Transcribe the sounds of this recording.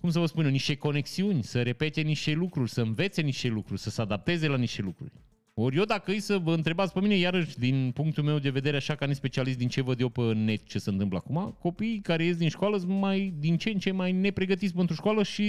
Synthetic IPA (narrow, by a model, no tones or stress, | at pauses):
kums̬əvəspuneniʃt̪e̞ko̞ne̞ksiunʲsəɾe̞pe̞t̪e̞niʃt̪e̞lukɾurʲsəɨnve̞t̪se̞niʃt̪e̞lukɾurʲsəsəad̪ap̚t̪e̞zelaniʃt̪e̞lukɾṵrʲ | o̞rʲjed̪akəɨjsəvəɨnt̪ɾe̞bat̪spəminejaɾəʃd̪inpuŋk̚t̪ulme̞wd̪e̞ve̞d̪e̞ɾeaʃakanispe̞t͡ʃialist̪d̪int͡ʃe̞vəd̪jewpəɨnːe̞t̪̚t͡ʃe̞səɨnt̪ɨmpləa̰kumako̞piːkaɾe̞jes̬d̪inʃkoaləsmajd̪int͡ʃent͡ʃe̞majne̞pɾe̞ɡət̪isbəɨnt̪ɾo̞ʃkwaləʃi